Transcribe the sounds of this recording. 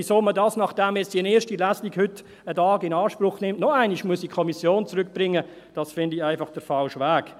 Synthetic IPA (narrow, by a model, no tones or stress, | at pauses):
isoːmədɑːsnɑχd̥ɛmjɛt͡stiənɛːʃtilæːsliɡhʏtː | ədɑːɡɪnɑːʃprʊχnɪmtnɔæɪniʃmuəsikʰɔmisjoːnt͡sɾʏk̚b̥ɾɪŋːə | d̥ɑsfɪndiæɪfɑχd̥əɾfalʃʋæːk